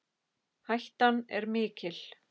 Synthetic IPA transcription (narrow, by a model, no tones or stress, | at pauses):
hajht̪anɛ̰ɾmɪːcɪl̥